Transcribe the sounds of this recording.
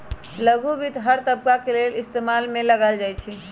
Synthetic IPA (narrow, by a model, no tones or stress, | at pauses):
ləɡubʱit̪ɦəɾt̪əb̚kakelelist̪emalmeləɡald͡ʒajt͡ʃʰi